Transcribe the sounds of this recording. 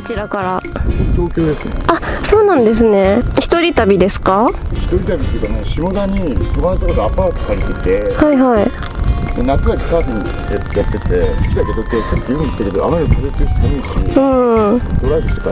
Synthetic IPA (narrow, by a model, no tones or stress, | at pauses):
ot͡ɕiɾakaɾad͡ʑo̞ːkʲo̞ːd̪e̞sɨneaso̞ːnãnd̪e̞s̬ɨne̞çi̥t̪o̞ɾʲit̪abʲid̪e̞sɨ̥kaçi̥t̪o̞ɾʲit̪abʲit̪eiːkanẽɕimod̪aɲ̟it̪omanat͡ɕ̪ikod̪oapaːt̪o̥kaɾʲit̪et̪ehaiɦai | d̪̥enakɨɡat̪e̥sadĩɲ | jajat̪ːet̪eskʲid̪akot̪ok̪ʲe̥k̪at̪ːejoɯi̥t̪ːeked̪oa̰maɾik̪ozet͡sesɨ̥kɯniiɕiɯ̟̃ːot̪oɾaidɯt̪oka